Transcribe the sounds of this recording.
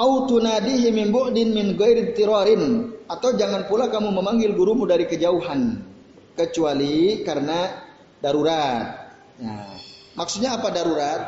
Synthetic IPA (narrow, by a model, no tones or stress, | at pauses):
ʔawt̪unadiɦɪmɪnbʊʔdɪnmɪnɡajɾɪnt̪iɾaɾɪnat̪awd͡ʒaŋanpulakamuməmaŋɡɪlɡuɾumudaɾikəd͡ʒauɦan | kət͡ʃualikaɾəna | daɾuɾat̪̚ | ja̰ | maksut̪̚ɲaːpadaɾuɾat̪̚